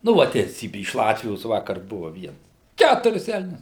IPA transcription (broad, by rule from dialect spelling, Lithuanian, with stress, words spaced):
nʊ ˈʋɐ tʲɛɪˈsʲiːbʲɪ ɪʃ ˈlˠɑːtʲʋʲɪjoːs ˈʋɑːkɐr ˈbʊʋɐ ˈʋʲiɛns ˈkʲætʊrʲɪs ˈɛlʲnʲʊs